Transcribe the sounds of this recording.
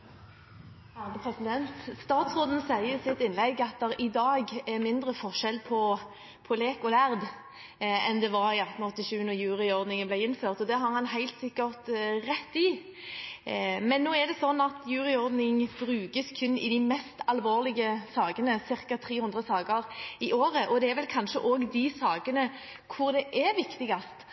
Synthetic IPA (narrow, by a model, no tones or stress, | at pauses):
hæd̪ɛpʰɾɛsɪd̪ɛnt̪st̪ɑːt̪sʁoːd̪n̩sæɪəsɪt̪ːɪnlɛɡɑt̪̚d̪ɛʁɪd̪ɑːɡɛʁmɪnd̪ʁəfɔʂɛlpʰɔ | pʰɔleːkɔlæʁd̪ | ɛnd̪ɛʋɑɾɪɑt̪ːn̩ɔt̪ːɪʃʉːənɔjʉːʁɪɔʁd̪nɪŋəblæɪɪnføːʁt̪ɔd̪ɛɦɑʁhɑnɦæɪlt̪sɪkːəʁt̪ɾɛt̪ːɪ | mɛnːoːæd̪ɛsɔnːɑt̪jʉːʁɪɔɾd̪nɪŋbɾʉːɡəskʰʉnːɪ̰d̪ɪmɛst̪ɑlʋoːʁlɪɡəsɑːɡənəsɪɾkɑt̪ʰɾiːhʉnd̪ʁəsɑːɡəɾɪʔoːɾəʔɔd̪ɛæɾʋɛlkʰɑnʃəʔoːɡd̪ɪsɑːɡənə | kʰʊɾd̪ɛʔæɾʋɪkt̪ɪɡɑst̪